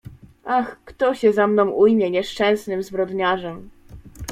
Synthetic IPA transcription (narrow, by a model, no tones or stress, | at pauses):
ʔaxkt̪ɔɕɛzamnɔ̃w̃ʔujmʲjɛɲɛʂt͡ʂɛ̃w̃snɘmzbɾɔd̪ɲaʐɛm